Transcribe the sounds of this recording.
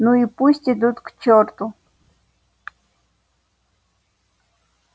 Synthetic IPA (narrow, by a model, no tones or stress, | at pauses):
nʊipusʲtʲɪd̪ut̪kt͡ʃɔɾt̪ʊ